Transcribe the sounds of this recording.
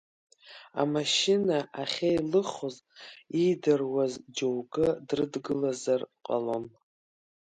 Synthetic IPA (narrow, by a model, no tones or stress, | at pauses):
a̰maʃɪnaʔaχʲajlɨχozidarwazd͡ʒowɡɨdrɨdɡɨlazarqʼa̰lon